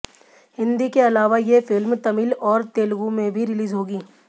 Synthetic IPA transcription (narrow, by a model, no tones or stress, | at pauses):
hɪ̃nd̪ikeɐlaːʋajefɪlmt̪ɐmilɔːɾt̪eːlɡumẽbʱiɾɪliːzɦoːɡiː